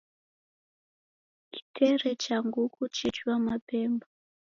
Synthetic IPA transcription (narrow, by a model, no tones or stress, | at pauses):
ki̥tʰɛɾɛt͡ʃaŋɡukut͡ʃɛt͡ʃuwamapɛmba